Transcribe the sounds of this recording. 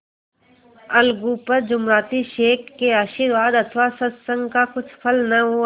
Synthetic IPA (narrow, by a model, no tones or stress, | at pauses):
ɐlɡuːpəɾd͡ʒʊmɾaːt̪iʃeːkːeaːʃiɾʋaːd̪ɐt̪ʰʋasɐt̪sə̃ŋɡkakʊt͡ʃʰpʰɐlnɐɦo